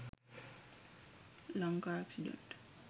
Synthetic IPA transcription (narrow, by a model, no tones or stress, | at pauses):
laŋkaɾaksidɛ̰̃nt